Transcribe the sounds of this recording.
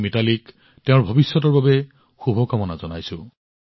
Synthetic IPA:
mitalik | teʊ̃ɹbʱɔbisːɔt̬ɔɹbabɛ | xubʱɔkamɔnazɔnajsʊ̃

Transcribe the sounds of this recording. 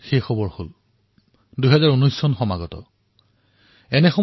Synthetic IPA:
xejxɔbɔɹhol | duɦɛzaɹunɔjsːɔnxɔmaɡɔtɔ̰ | ɛnɛxɔ

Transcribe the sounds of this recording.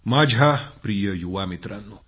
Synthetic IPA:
mad͡ʒʱapɾijəjuwamit̪ɾɐnːu

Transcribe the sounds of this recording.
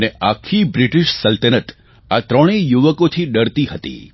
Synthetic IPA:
neakʰibɾɪʈiʃsəlt̪ənət̪ | at̪ɾəɽ̃ijuʋəkot̪ʰiɗəɾt̪ihət̪ḭ

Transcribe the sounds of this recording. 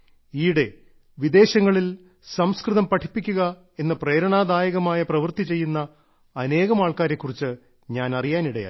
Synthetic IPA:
iːɽe̞ | ʋid̪e̞ːɕɐŋːɐɭil | sɐmskrɨðɐmpɐʈʰi̥pːikʲːuɣɐ | e̞nːɐpre̞ːɾɐɳaːd̪aːjɐɣɐmaːjɐprɐʋɨrt̪it͡ɕe̞jːunːɐː | ne̞ːɣɐmaːɭkaːɾe̞kːurit͡ɕːɨ | ɲaːnɐrijaːniɽɐja̰ː

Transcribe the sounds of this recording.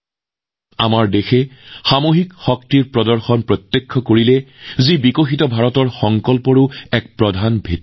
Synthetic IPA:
amaɹdexɛxamoɦikxɔk̚tiɹpɹɔdɔɹxɔnpɹɔt̪ːjekʰːɔkoɹilɛzibikoxitɔbʱaɹɔtɔɹxɔŋkɔlpɔɹʊɛk̚pɹɔdʱanbʱet

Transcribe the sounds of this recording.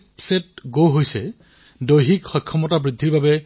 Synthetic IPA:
pset̚ɡowɦojsɛ | dojɦikxɔjkʰːɔmɔtabɹidʱːiɹbabɛ

